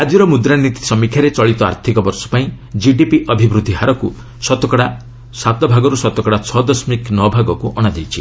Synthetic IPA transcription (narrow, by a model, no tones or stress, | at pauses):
ad͡ʒiɾɔmud̪ɾanit̪i̥sɔmikʰjaɾet͡ʃɔɭit̪ɔa̰ɾt̪ʰikɔbɔɾsɔ̥paĩ | d͡ʒiɖipiʔɔbʱibɾud̪ʱːiɦaɾɔku | sɔt̪ɔkɔɽa | sat̪ɔbʱaɡɔɾusɔt̪ɔkɔɽat͡ʃʰɔd̪ɔsmiknɔbʱaɡɔkuʔɔɽ̃ad͡ʒejt͡ʃʰḭ